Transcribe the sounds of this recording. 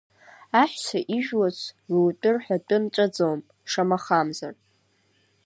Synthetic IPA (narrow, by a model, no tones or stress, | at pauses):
aħʷᶣsaʔiʒᶣwazʷʰruwtʼɨrħʷᶣadʼɨnt͡ʃʷʼad͡zowm | ʂamaχamzar